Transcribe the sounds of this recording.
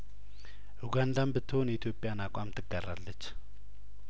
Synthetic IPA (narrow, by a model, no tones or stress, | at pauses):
ʔuɡand̪ambɨt̪ʰːəhonjɛit̪ʰjo̞pʼjanakʷʼamt̪ʰɨɡːarːalːət͡ʃː